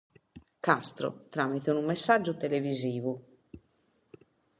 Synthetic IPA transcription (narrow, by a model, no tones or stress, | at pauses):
kast̪ɾo̰t̪ɾaːmit̪eunumːesːad͡ʒːut̪eleviziːvu